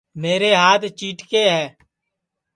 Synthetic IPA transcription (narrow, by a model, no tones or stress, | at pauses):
meːɾeɦaːt̪ʰt͡ʃiːʈkeːɦɛː